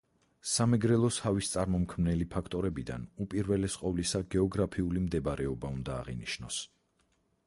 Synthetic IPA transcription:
samɛɡɾɛlˠɔshavist̪sʼaɾmɔmkʰmnɛlipʰakʰt̪ʼɔɾɛbid̪a̰nupʼiɾvɛlɛsqʼɔvlisaɡɛɔɡɾapʰiulimd̪ɛbɾɛɔbaund̪a̰ːʁḭniʃnɔs

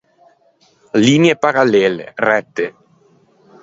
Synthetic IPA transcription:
linjepaɾalːeːlḛrɛt̪ːe

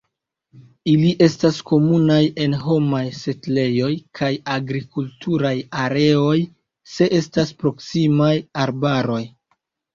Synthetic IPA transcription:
iliʔe̞stasko̞munaje̞nɦo̞majse̞tle̞jo̞jkʰajaɡɾikultʰuɾajaɾe̞o̞j | se̞ʔe̞staspɾo̞ksimajaɾbaɾo̞j

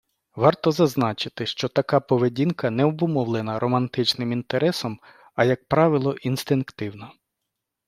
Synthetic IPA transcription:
ʋɑrt̪ɔzɐznɑt͡ʃɪt̪ɪʃt͡ʃɔt̪ɐkɑpɔʋedʲinkɐnɛɔbʊmɔʋlˠenɐɾɔmɐnt̪ɪt͡ʃnɪmint̪eɾɛsɔm | ɐjɐk̚pɾɑʋɪlˠɔʔinst̪ɪnkt̪ɪwnɐ

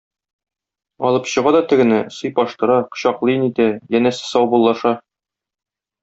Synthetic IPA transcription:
ɒlˠɤpɕɤ̆ʁɑd̪ɒt̪ɘ̆ɡɘ̆næsɤ̆jpɒʃt̪ɤ̆ɾɑqɤ̥̆ɕɑqlˠɤjɤnit̪æjænæsɘ̥sɒwbulˠːɑʃɑ

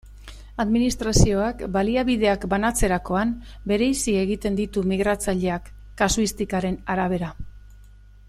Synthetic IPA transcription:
aðminist̪ɾasio̞akbaliaβiðe̞akbanat͡se̞ɾako̞ambe̞ɾe̞jsie̞ɣ̞it̪e̞nd̪it̪umiɣ̞ɾat͡saʎe̞akː | asuist̪ikaɾe̞naɾaβ̞e̞ɾa

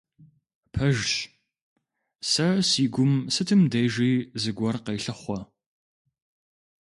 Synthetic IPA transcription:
pʰɐʒɕ | sɐsiːɡʷʊmsɨtʰɨmdejʒiːzɨɡʷɔrqejɬɐχʷɔ

